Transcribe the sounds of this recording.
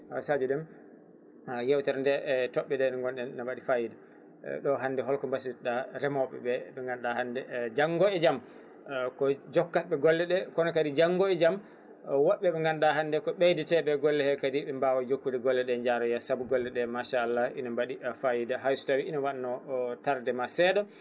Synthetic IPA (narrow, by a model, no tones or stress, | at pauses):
hasad͡ʒiɗɛm | jɛwtɛɾndɛtɔɓːɛdɛnaŋɡɔnɗɛnnamwaɗifajida | ɗɔɦandɛɦɔlkɔmbasiitɗaɾɛmɔɓɛ̰bɛɓɛŋɡanɗahandɛd͡ʒaŋɡɔɛd͡ʒam | kɔd͡ʒɔkːatɓɛɡɔlːɛɗɛkɔnɔkadid͡ʒaŋɡɔɛd͡ʒam | wɔɓːɛɓɛŋɡanɗaɦandɛkɔɓejditɛbɛɡɔlːɛhɛkadiɓɛmbawajokːudɛɡɔlːɛɗɛɲd͡ʒaɾɔjasabuɡɔlːɛɗɛmaʃaːlːaʔḭnambaɗifajidaɦajsu̥tawiʔinawaɗanɔtaɾdɛmasɛdɔ